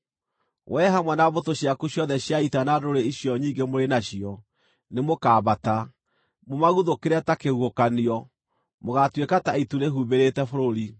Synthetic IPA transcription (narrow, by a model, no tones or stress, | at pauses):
wʔɛɦamwɛnaβotoɕjakuɕjɔðɛɕjaitanadoɾeiɕjɔɲiːŋɡemoɾenaɕijɔ | nemokaːbata | momaɣuðokeɾɛtakeuokaniɔ | moɣatwekataituneɦuβeɾetɛfoɾoɾi